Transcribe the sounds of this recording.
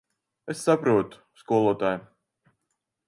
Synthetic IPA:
esːapɾuɔt̪u̥skuɔlˠuɔt̪aːj

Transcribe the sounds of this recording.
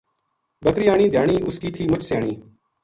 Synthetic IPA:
bəkɾɪːjaːɳ̃iːd̪ʱjaːɳiːʔʊskiːt̪ʰiːmət͡ʃsɪjaːɳiː

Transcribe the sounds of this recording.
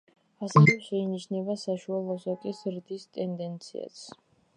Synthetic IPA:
asɛvɛʃɛiniʃnɛbasaʃualˠɔsɔkʼisɾd̪ist̪ʼɛnd̪ɛnt̪sʰḭa̰t̪sʰ

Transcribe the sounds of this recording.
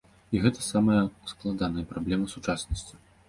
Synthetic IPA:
iɣɛt̪ɐsamɐjɐusklˠad̪anɐjɐpɾablʲɛmɐsut͡ʂasnɐsʲt͡sʲi

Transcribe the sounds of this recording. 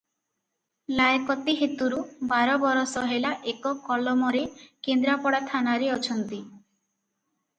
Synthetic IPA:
lajkɔt̪iɦet̪uɾubaɾɔbɔɾɔsɔɦelaʔekɔkɔlɔmɔɾekend̪ɾapɔɽat̪ʰanaɾeɔt͡ʃʰɔnt̪i

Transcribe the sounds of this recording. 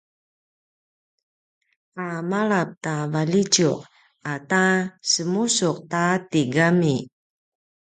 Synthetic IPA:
ʔamalap̚tavalid͡ʒuq̚ | atasəmusuq̚tatiɡami

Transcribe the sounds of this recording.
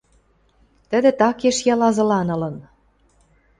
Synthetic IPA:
t̪ə̆d̪ĕt̪ɑkeʃjɑlɑzɤ̆lɑnɤ̆lɤ̆n

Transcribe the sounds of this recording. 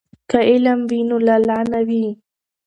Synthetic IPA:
kaʔɪlambinʊlalʕanawi

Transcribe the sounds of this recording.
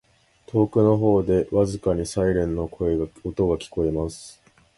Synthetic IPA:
t̪ʰo̞ːkɯ̟no̞ɦo̞ːd̪e̞βazɨkaɲ̟isaiɾẽ̞nːo̞kʰo̞eɡot̪o̞ɡakʲi̥ko̞emasɨ̥

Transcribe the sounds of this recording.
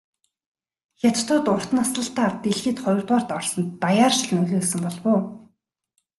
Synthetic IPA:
xʲat̪ʰt̪ʰʊːt̪ʊr̥t̪̆nasɮə̆ɬt̪aːt̪eɮxĭːt̪χɔj̆rt̪ʁaːr̥t̪ɔrsɞ̆nt̪ajaːrʃĭɮnɵɣʲeːsɘ̆mpɔɮpʊː

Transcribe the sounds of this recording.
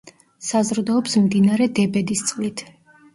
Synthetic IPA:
sazɾd̪ɔɔpsmd̪inaɾɛd̪ɛbɛd̪ist̪sʼlit̪ʰ

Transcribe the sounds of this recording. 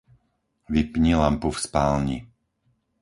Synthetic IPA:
ʋipɲilampufspaːlɲḭ

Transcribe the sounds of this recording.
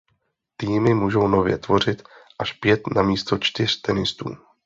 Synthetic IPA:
t̪iːmɪmuːʒo̞wno̞vjɛ̰t̪vo̞r̝ɪt̪ʔaʃpjɛt̪namiːst̪o̞t͡ʃt̪ɪr̝̥t̪ɛnɪst̪ṵː

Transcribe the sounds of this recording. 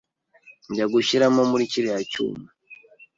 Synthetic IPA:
ɲɟaɡuʃiɾamomuɾiciɾejacṵːma

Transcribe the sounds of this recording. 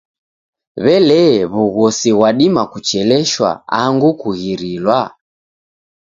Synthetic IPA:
βɛlɛβuɣɔsiɣwaɗimakut͡ʃɛlɛʃwa̰aŋɡukuɣiɾilwa

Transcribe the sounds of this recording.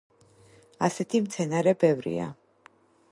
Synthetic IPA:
asɛt̪ʰimt̪sʰɛnaɾɛbɛvɾḭa̰

